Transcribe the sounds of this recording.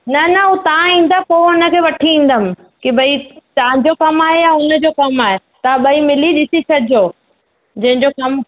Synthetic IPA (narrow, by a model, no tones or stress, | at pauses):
nɐnɐɦũt̪ɐʋãĩːn̆d̪apoʊnə̆kʰeːʋɐʈʰiĩːn̆d̪əmɪ̆ | kibʱɐit̪ɐʋãd͡ʑokɐmaːɦejaʊnə̆d͡ʑokɐmaːɦe | t̪ɐãɓɐimɪliɗɪsisɐd͡ʑʱoː | d͡ʑɐ̃ɦɪ̃ɲd͡ʑokɐm